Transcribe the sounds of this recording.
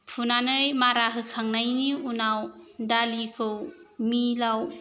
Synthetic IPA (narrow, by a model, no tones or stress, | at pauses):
pʰunanɯjmaɾaɦɯkʰaŋnajniunawdalikʰɯwmilaw